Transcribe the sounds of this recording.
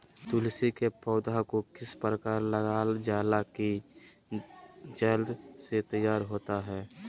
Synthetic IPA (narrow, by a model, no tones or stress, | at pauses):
t̪ulsikepɔːd̪akokɪspɾəkaːɾləɡad͡ʒaːlaki | d͡ʒəld̪set̪əjaːɾɦoːt̪aɦɛː